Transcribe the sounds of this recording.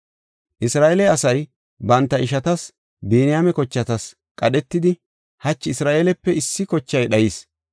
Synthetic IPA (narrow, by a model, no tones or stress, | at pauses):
ʔɪsɾaːʔelɛɐsɐj | bɐnt̪ːɐʔɪʃɐt̪ɐs | biːnɪjaːmɛkɔt͡ʃːɐt̪ɐs | kʼɐɗɛt̪ːɪd̪ɪ | hɐt͡ʃːɪɪsɾaːʔeːlɛpːɛɪsːɪkɔt͡ʃːɐjɗɐjiːs